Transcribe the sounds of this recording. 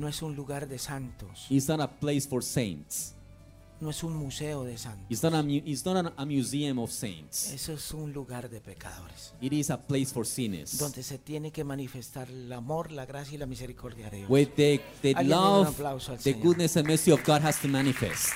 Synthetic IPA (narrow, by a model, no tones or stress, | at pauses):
noesunluɣaɾðe̞sant̪ositsnɔɾaplejsfoɾsẽjnts | noesunmuse̞oðesant̪isnoɾamjuʔitsnɔɾaamjuziãmofsḛ̃j̃ntsesoesunluɣaɾðe̞pe̞kʰa̰ðo̞ɾesiɾisaplejsfoɾsinḛsd̪o̞nd̪e̞se̞t̪jene̞kemanife̞st̪aɾlamo̞ɾlaɣɾasjailamise̞ɾikʰo̞ɾðjaðeðjowiððeðealavaplawsoalsðeɡud̪nesãnmɛ˞siɔvɡadɦastumanifḛstt